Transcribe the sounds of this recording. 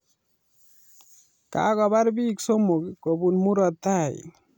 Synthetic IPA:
ka̰ɡɔbaɾbiksomːuɡkobunmuɾɔt̪ːaa̰j

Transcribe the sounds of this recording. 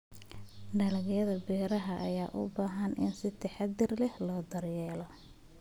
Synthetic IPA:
ɖɐlɐɣjɐðɐbɛːɾɐɦɐʔɐjaːʔʊ̰baːɦɐnɪ̰nsɪt̪ʰɛħɑd̪ɪrlɛhlɔːd̪ɐrjɛːlɔ

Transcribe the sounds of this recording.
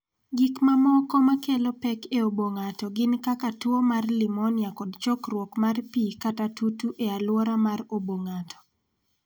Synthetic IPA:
ɡɪkmamɔkɔmakelopɛkeoboŋatɔɡɪnkakatwomarlɪmɔnjakɔdt͡ʃɔkrwɔkmarpikatatutuʔealwɔɾamaroboŋatɔ̥

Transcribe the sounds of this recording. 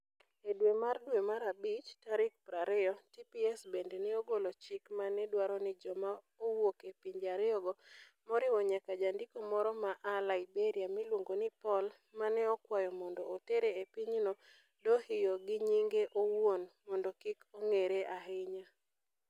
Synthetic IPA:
edwemardwemaɾabit͡ʃtaɾɪk̚pɾaɾɛjɔtipiɛsbendenɛoɡolot͡ʃɪkmanɛdwaɾɔnɪd͡ʒɔma | owokepiɲd͡ʒaɾɪɔɡɔmɔɾɪwɔɲakad͡ʒandikomɔɾɔmaʔalaɪbeɾiamilwoŋɡonɪpɔl | manɛɔkwajɔmɔndɔːteɾeepiɲnɔ | dohɪjoɡɪɲiŋɡeʔowwonmɔndɔkikoŋeɾeʔaɦɪɲa

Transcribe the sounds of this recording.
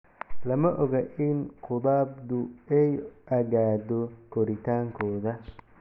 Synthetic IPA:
lɐmɐʔɔɣɐʔɪnqʰʊðaːbd̪ʊɛjʔɐɣaːdɔkʰɔɾɪt̪ʰaːŋkʰɔːðɐ

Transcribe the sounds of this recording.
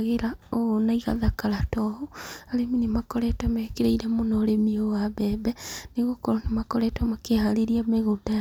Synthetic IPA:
ɣeɾaonaiɣa̰ðakaɾatɔhoaɾeminemakɔɾɛtwamɛkeɾaiɾɛmonɔːɾemiowaβɛːbɛneɣokɔɾɔnemakɔɾɛtwamakehaɾeɾiameɣoda

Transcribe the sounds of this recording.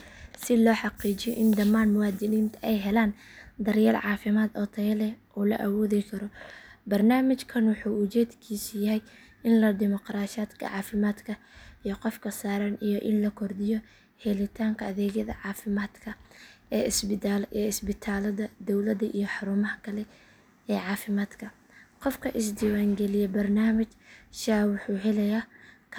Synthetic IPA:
sɪlɔːħɑqiːt͡ʃɪjɔʔɪnd̪ɐmaːnmʊwaːd̪ɪniːnt̪ʰɛjɦɛlaːnd̪ɐrjɛːlʕɑːfɪmaːd̪ɔːt̪ʰɐjlɛʔuːlɐ̰ʔɐwɔːðɪkʰɐɾɔbɐrnaːmɪt͡ʃkʰɐnwʊħuːʊt͡ʃɛːd̪kʰiːsɪjɐɦɛj | ɪnlɐd̪ɪmɔqɾaːʃaːd̪kʰɐ̰ʕɑːfɪmaːd̪kʰɐ | ijɔqɔfkʰɐsaːɾɐnijɔʔɪnlɐkʰɔrd̪ɪjɔ | hɛlɪt̪ʰaːŋkʰɐɐðɛːɣɐðɐ̰ʕɑːfɪmaːd̪kʰɐɛsɛːɪsbɪt̪ʰaːlɐðɐd̪ɔwlɐd̪ɐʔijɔħɑɾumɐɦɐkʰɐlɛ | ɛːʕɑːfɪmaːd̪kʰɐ | qɔfkʰɐʔɪsd̪iːwaːŋɡɛlɪjɛbɐrnaːmɪt͡ʃʃaːwʊħuːɦɛlɛjaːkʰ

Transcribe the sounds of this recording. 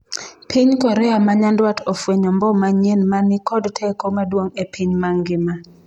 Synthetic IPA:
pʰiɲkɔɾɛamaɲandwatofweɲɔmbɔmaɲenmanɪkɔdtʰekomadwoŋepʰiɲmaŋɡɪma

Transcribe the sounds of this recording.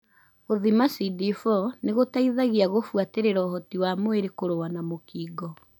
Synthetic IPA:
oðimasidifɔneɣotaiðaɣiaɣofwateɾeɾɔːhɔtiwamoeɾekoɾowanamokiːɡɔ

